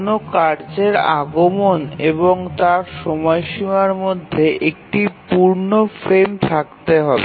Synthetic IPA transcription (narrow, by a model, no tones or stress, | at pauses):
nokaɾd͡ʑeɾa̰ɡomoneboŋt̪aɾʃɔmɔeʃimaɾmod̪ʱːeʔek̚ʈipuɾnofɾemt̪ʰakt̪eɦɔbe